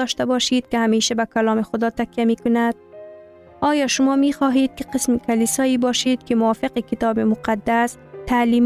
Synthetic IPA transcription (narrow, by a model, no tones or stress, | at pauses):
ɒʃt̪abɒʃed̪̚kɪhameʃabakalɒːmɪxʊd̪ɒːt̪akjamikʊnad̪̚ | ɒːjɒʃʊmɒmixɒɦed̪̚kɪ̥qɪsmɪkalisɒibɒʃed̪̚kɪmʊwɒːfɪqɪkɪt̪ɒbɪmʊqad̪ːas | t̪ʰaliːm